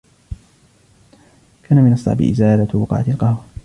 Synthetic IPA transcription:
kʰaːnamɪnʔɑsˤːɑ̰ʕbɪ̰ʔɪ̰zaːlabɑqɑ̰ʕa̰t̪ɪlqɑhwa

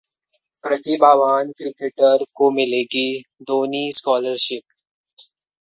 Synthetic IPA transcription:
pɾɐt̪ibaːʋaːnkɾɪkeːʈəɾkomɪleːɡid̪oːniskɔːləɾʃɪp̚

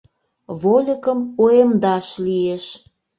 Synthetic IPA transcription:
βolʲəkəmoemd̪ɑʃlieʃ

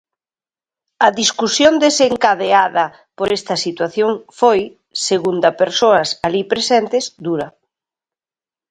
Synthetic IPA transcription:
ɐðiskusjond̪eseŋkaðeaðɐ | poɾɛst̪ɐsit̪waθjoŋfoj | seɣund̪ɐpeɾsoɐsalipɾesɛnt̪ɪzd̪uɾɐ

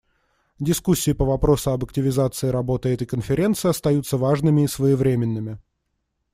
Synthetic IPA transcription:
dʲɪskusʲːɪːpəvɐpɾo̞sʊɐbəktʲɪvʲɪzat̪sɨɪɾɐbo̞t̪ɨɛt̪əjkənfʲɪɾʲe̞nt̪sɨɪɐst̪ɐjut̪səvaʐnɨmʲɪːsvəjɪvɾʲemʲɪnːɨmʲɪ

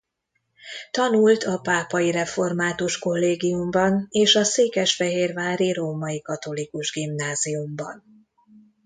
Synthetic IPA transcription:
t̪ɒnult̪ɒpaːpɒjiɾɛfo̞rmaːt̪uʃko̞lːeːɡijumbɒneːʃɒseːkɛʃfɛɦeːrvaːɾiɾoːmɒjikɒt̪o̞likuʒɡimnaːzijumbɒ̰n

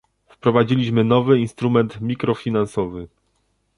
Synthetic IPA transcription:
fpɾɔvad͡ʑilʲiɕmɘnɔvɘinst̪ɾumɛnt̪mʲikɾɔfʲinansɔvɘ

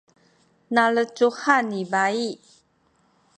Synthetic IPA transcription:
nalət͡ʃuhanibai

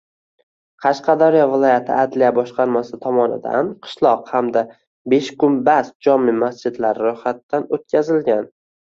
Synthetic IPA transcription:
qʰɑʃqʰɑd̪ɒɾɪjɒvɪlˠɒjat̪ʰɪad̪lijabɒʃqʰɑɾmasɪt̪ʰɒmɒnɪ̰d̪a̰nqʰɨ̥ʃlˠɒqhamd̪a | beʃkʊnbasd͡ʒɒmɪmasd͡ʒɪd̪laɾɪɾʊhat̪ːanot̪̚kʲʰazɪlɡʲan

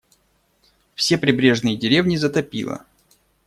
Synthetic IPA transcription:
fsʲe̞pɾʲɪbɾʲe̞ʐnɨjədʲɪɾʲe̞vnʲɪzət̪ɐpʲḭlˠə̰

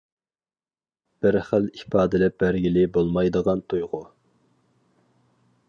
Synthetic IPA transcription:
b̥ɪɾχælipʰɑːd̪ɨlɛp̚bæɾɡʲilɪbolˠmɑjd̪əʁɑnt̪ʰujʁʊ

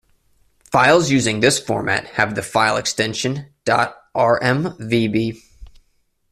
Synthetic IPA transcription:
faɪlˠzjʉzɪ̃ŋðɪsfɔ̰ɹmæ̰t̚hɨvðɨfaɪlˠɨ̰kstɛ̃nʃɨ̃nd̥ɑ̰ɾ | ʔɑɹʔɛ̃mvibi

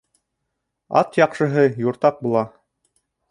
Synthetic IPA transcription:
ɑ̰t̪jɑqʃɤ̆ɦɤjuɾt̪ɑq̚bulˠɑ

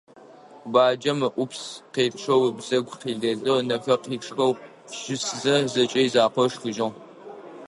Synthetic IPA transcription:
baːd͡ʒɐmɨʔʷʊpʰsqeːpʈ͡ʂʰɐwbzɐɡʷqiːɮdɐɮʼɨʁnɐfɐqiːʈ͡ʂʰʼrɐw | ʒ̥ɪszɐzɐt͡ʃʼɐjzaːqʷɔʂxɨʒɪʁ

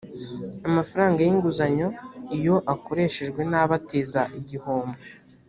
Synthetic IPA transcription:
amafaɾaːŋɡajiŋɡuzaɲo̞ijo̞ʔako̞ɾe̞ːʃe̞ʒɡwe̞naːβateːzaʔiɟiho̞ːmbe

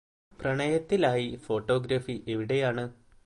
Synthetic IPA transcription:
prɐɳɐjɐt̪ːilaːjifo̞ːʈːo̞ːɡɾɐfiʔeʋiɽe̞jaːɳɨ

